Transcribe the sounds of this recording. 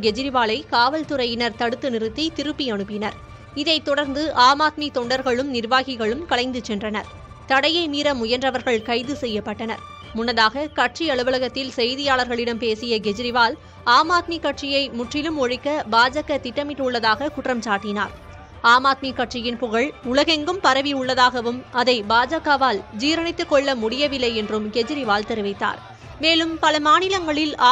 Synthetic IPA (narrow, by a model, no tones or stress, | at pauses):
ɡɛd͡ʒɪɾɪʋaːlɐɪkaːʋɐlt̪ʊɾɐjɪnɐɾt̪ɐɽɯt̪ːɯnɪɾɯt̪ːit̪ɪɾɯpːiɐɳɯpːɪnɐɾ | ɪðɐɪt̪ːɔɽɐɾnd̪ɯʔaːmaːt̪̚mit̪ɔɳɖɐɾɣɐɭɯmnɪɾʋaːɣɪɣɐɭɯmkɐlɐɪnd̪ɯt͡ʃːɛndrɐnɐɾ | t̪ɐɽɐjɐɪmiːɾɐmʊjɐndrɐʋɐɾɣɐɭkɐɪðɯsɛjːɐpːɐʈːɐnɐ̰ɾ | mʊnːɐðaːɣɐkɐʈ̚t͡ʃiɐɭɯʋɐlɐɣɐt̪ːɪlsɛjðɪjaːlɐɾɣɐɭɪɽɐmpeːsɪjɐɡɛd͡ʒɪɾɪʋaːl | aːmaːt̪mikɐʈt͡ʃɪjɐɪmʊʈrɪlɯmɔɻɪkːɐbaːd͡ʒɐkːɐt̪ɪʈːɐmɪʈːʊɭːɐðaːɣɐkʊʈrɐmt͡ʃaːʈːɪna̰ːɾ | aːmaːt̪̚mikɐʈ̚t͡ʃɪjɪnpʊɣɐɭʊɭɐɣɛŋɡɯmpɐɾɐʋiʊɭːɐðaːɣɐʋɯmɐðɐɪbaːd͡ʒɐkːɐʋaːld͡ʒiːɾɐɳɪt̪ːɯkːɔɭːɐmʊɽɪjɐʋɪlːɐɪɛndrɯmɡɛd͡ʒɪɾɪʋaːlt̪ɛɾɯʋɐɪt̪ːa̰ːɾ | meːlɯmpɐlɐmaːnɪlɐŋɡɐɭɪlː